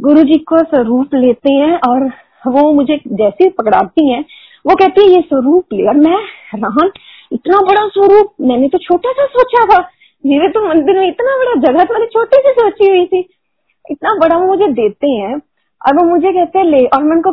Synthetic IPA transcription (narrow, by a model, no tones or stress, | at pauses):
ɡʊɾud͡ʒiːkosɐɾuːpleːt̪eɦɛ̃ʔɔːɾ | ʋomʊd͡ʒʱed͡ʒɛːsipɐkɽa̰ːt̪iɦɛ̃ː | ʋokɛɦt̪eɦɛ̃jeswɐɾuːpleːɔːɾmɛ̃ːɾaːn | ɪt̪nabɐɽaswɐɾuːp̚mɛ̃ːnet̪ot͡ʃʰoːʈasasoːt͡ʃat̪ʰaː | d͡ʒibet̪omɐ̃nd̪ɪɾmeɪt̪nabɐɽad͡ʒɐɡat̪mɛːnet͡ʃʰoːʈisesoːt͡ʃiɦʊit̪ʰi | ɪt̪nabɐɽaʋomʊd͡ʒʱed̪eːt̪eɦɛ̃ː | ɔ̰ːɾʋomʊd͡ʒʱekɛɦt̪ẽɦɛ̃leːʔɔːɾmɛnko